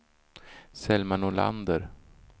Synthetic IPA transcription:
sɛlmanʊla̰nd̪əɾ

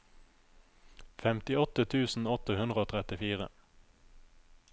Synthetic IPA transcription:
fɛmt̪ɪɔt̪ət̪ʰʉːsn̩ɔt̪əhʉnd̪ʁəoːt̪ʰʁɛt̪ɪfiːʁə̰

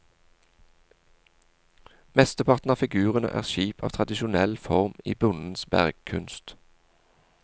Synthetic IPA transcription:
mɛst̪əpʰɑʁt̪n̩ɑːfɪɡʉːʁənə̰ʔæ̰ːʁʃiːpʰɑːʋt̪ʰʁɑd̪ɪʃʊnɛlfɔʁmḭːbʊnn̩sbæ̰ʁɡ̥kʰʉnst̪

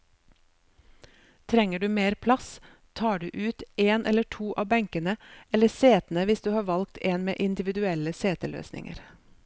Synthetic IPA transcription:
t̪ʰɾɛŋəɖʉːmeːɾpʰlɑs | t̪ʰɑːɖʉːʔʉːt̪eːnʔɛ̰ləʈʰuːʔɑːbɛŋkənəɛləseːt̪n̩əʋɪsd̪ʉːhɑːʋɑlkt̪ʰeːnmḛːʔɪnd̪ɪʋɪd̪ʉɛləseːt̪əlø̰ːsnɪ̰ŋə̰ɾ

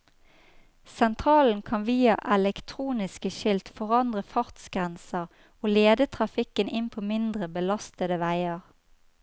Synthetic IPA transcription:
sɛnt̪ʰʁɑːln̩kʰɑnʋiːɑ̰ʔɛlɛkt̪ʰʁuːnɪskəʃɪlt̪fɔʁɑnd̪ʁəfɑʁt̪sɡ̥ʁɛnsəʁ | oːleːd̪ət̪ʰʁɑfɪkənʔɪnpʰoːmɪnd̪ʁəbəlɑst̪əd̪əʋæɪəʁ

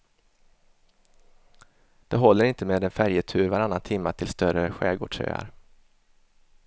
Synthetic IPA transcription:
d̪̥ɛɦɔlːəɾɪnt̪əmeːd̪ɛnfæɾjət̪ʰʉ̟ːɾvaɾanːant̪ʰɪmːaʈ̪ʰɪlst̪œɾəɧɛːɡo̰ːɖʂø̰ːa̰ɾ

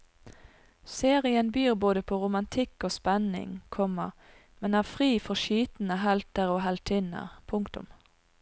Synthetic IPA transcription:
seːʁɪənbyːʁboːd̪əpʰoːʁʊmɑnt̪ʰɪkːoːspɛnɪ̰ŋkʰɔmə̰ʁ | mɛnæːʁfʁiːfɔʁʃyːt̪nəɦɛlt̪əʁoːɦɛlt̪ʰɪnə̰ʁpʰʊŋkt̪ʊ̰m

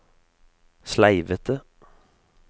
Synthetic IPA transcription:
slæɪʋət̪ʰə

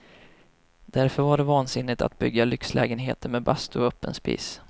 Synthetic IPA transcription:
d̪æɾfœɾvaɖɛvɑːnsɪnːɪt̪ʰa̰t̪̚bʏɡːalʏkslʔɛ̰ːɡənɦḛːt̪əɾmɛbast̪ʊœpːə̰nspḭːs

